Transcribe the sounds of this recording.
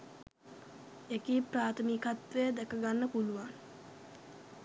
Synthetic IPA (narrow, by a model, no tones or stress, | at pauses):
ekiːpraːt̪ʰəmikat̪ʋejəd̪ɛkəɡanːəpuluʋan